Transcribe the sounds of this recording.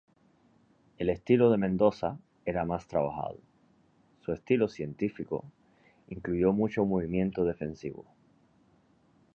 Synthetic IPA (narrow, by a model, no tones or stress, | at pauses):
e̞le̞st̪iloðe̞mẽnd̪o̞sa̰ | e̞ɾamast̪ɾaβ̞axa̰ð̞o | sue̞st̪ilosje̞nt̪ifiko̞̰ | iŋkluʝo̞mut͡ʃomoβ̞imjẽ̞nt̪oð̞e̞fe̞nsiβo̰